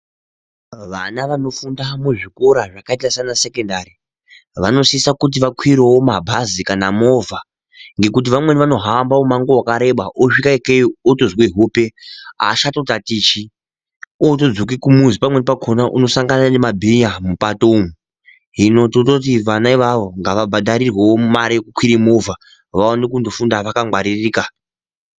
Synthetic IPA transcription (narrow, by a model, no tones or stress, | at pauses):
ʋanaʋano̞fundamuʐikoɾaʐakaitasanase̞kendaɾi | ʋano̞siisakut̬iʋakʰwiɾewomabʱazikanamo̞va | ŋɡe̞kut̬iʋamwe̞niʋano̞ɦambaomaŋɡowakaɾe̞ɓaʔoʂikakeotozweɦupe̞ɦa̰ːʃato̞tatiːt͡ʃi | oto̞d͡zokikumuzipamwenipakʰonaʔuno̞saŋɡanane̞mabʱiɲamupatomu | ɦino̞totot̬iʋanaiʋaʋo̞ŋɡaʋabʱaɗaɾirwewomaɾijekukwiɾimo̞vʱa | ʋaonekundo̞fundaʋakaŋɡwaɾiriːka